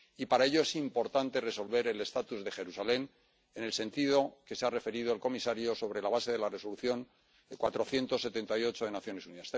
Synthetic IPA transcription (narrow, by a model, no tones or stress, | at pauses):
ipaɾae̞ʎo̞e̞simpo̞ɾt̪ant̪e̞re̞so̞lβe̞ɾe̞le̞st̪at̪uzðe̞xe̞ɾusale̞n | ene̞lse̞nt̪ið̞o̞ke̞seare̞fe̞ɾiðo̞elko̞misaɾjo̞so̞β̞ɾe̞laβ̞ase̞ðe̞lare̞so̞luθjo̞ŋ | kwat̪ɾo̞θje̞nt̪o̞sːe̞t̪e̞nt̪ajo̞t͡ʃo̞ðe̞naθjo̞ne̞suniðas